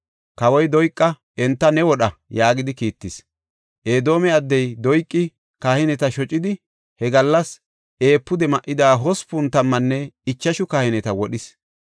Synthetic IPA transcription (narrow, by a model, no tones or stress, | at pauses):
kɐwɔjd̪ɔjkʼːɐ | ɛnt̪ːɐnɛwɔɗɐjaːɡɪd̪ɪkiːt̪ːɪs | ʔe̞ːd̪o̞ːmɛɐd̪ːɛjd̪ɔjkʼːɪ | kaːhɪnɛt̪ɐʃɔt͡ʃʼːɪd̪ɪ | hɛɡɐlːɐs | ʔe̞ːpːʊd̪ɛmɐʔːɪd̪aːɦɔspʊnt̪ːɐmːɐnːɛɪt͡ʃːɐʃʊkaːhɪnɛt̪ɐwɔɗɪs